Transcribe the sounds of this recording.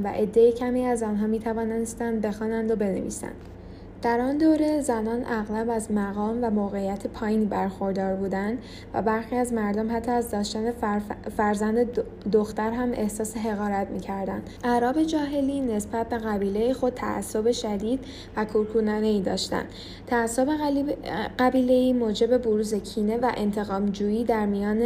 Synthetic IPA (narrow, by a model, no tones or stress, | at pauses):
væ̰ʔe̞d̪ːejecʰæmiːæzɒnɦɒːmiːt̪ʰævɒːnenest̪ænd̪̚be̞xɒːnænd̪o̞be̞nḛvḭːsæ̰nd̥̪ | d̪̥æɾɒnd̪oːɾe̞zænɒːnʔæɣlæbæzmæɣɒːmvæmoɣe̞ijæt̪ʰepʰɒːjiːnbæɾxo̞ɾd̪ɒːɾbuːd̪ænd̪ | væ̰bæɾxiːæzmæɾd̪omhæt̪ʰːɒæzɒːʃt̪ænefæɾzænd̪e | d̪oxt̪æɾɦæmʔe̞̰hsɒːseɦe̞ɣɒːɾæt̪ʰmiːcʰæɾd̪ænd̪̥ʔæɾɒːbe̞d͡ʒɒːɦe̞liːne̞sbæt̪̚be̞ɣæbiːle̞jixo̞d̪̚t̪ʰæ̰ʔæ̰sːobe̞ʃæd̪iːd̪̥ | vækʰuɾkʰuːnɒːne̞iːd̪ɒ̰ːʃt̪æ̰nd̪ | t̪ʰæːsːobe̞ | ɢæbiːle̞iːmoːd͡ʒe̞be̞boɾuːze̞cʰiːne̞væʔe̞nt̪ʰe̞ɣɒːmd͡ʒuːjiːd̪æɾmijɒːne